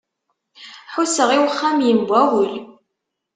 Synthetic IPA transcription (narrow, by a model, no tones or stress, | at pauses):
ħusəʁiwχːamjəmbʷæwəl